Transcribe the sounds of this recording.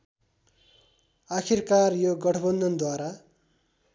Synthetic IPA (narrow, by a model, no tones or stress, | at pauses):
akʰirkarjoɡʌʈʰʌbʌnd̪ʱʌnd̪waɾa